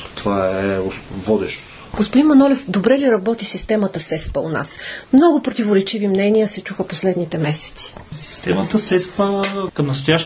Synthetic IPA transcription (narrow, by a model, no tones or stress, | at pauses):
t̪ovaɛvɔd̪ɛ̰ʃt̪ | ɡ̥ospod̪inmɐnɔlʲɛfd̪obɾɛliɾɐbɔt̪isist̪ɛmət̪əsɛspəʊ̰na̰smnɔɡʊpɾot̪ivoɾɛt͡ʃivimnɛniəsɛt͡ʃuxəposlɛd̪nit̪ɛmɛsɛ̥t̪si̥si̥st̪ɛmət̪əsɛspəəkɐmnɐst̪ʊjaʃ